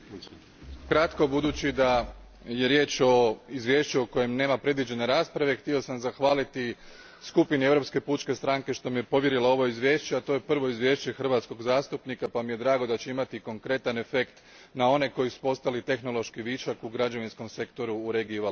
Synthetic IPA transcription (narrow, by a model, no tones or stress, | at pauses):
kɾat̪ko̞bud̪uːt͡ɕid̪a | je̞ɾje̞ːt͡ʃo̞izʋje̞ːʃt͡ɕuo̞ko̞je̞mneːmapɾe̞d̪ʋid͡ʑe̞ne̞ɾaːspɾaʋe̞xt̪io̞samzaxʋaːlit̪i | skupinieʋɾo̞pske̞puːt͡ʃke̞st̪ɾaŋke̞ʃt̪o̞mije̞po̞ʋje̞ɾilao̞ʋo̞izʋjeːʃt͡ɕeat̪o̞je̞pr̩ʋo̞izʋje̞ːʃt͡ɕe̞xr̩ʋat̪sko̞ɡzaːst̪upnikapamije̞d̪ɾaːɡo̞d̪at͡ɕeimat̪iko̞ŋkɾe̞t̪ane̞fe̞kt̪ | nao̞ne̞ko̞jisu̥po̞st̪alit̪e̞xno̞lˠo̞ʃkiʋiːt͡ʃakuɡɾad͡ʒaʋinsko̞mse̞kt̪o̞ɾuːɾeɡiua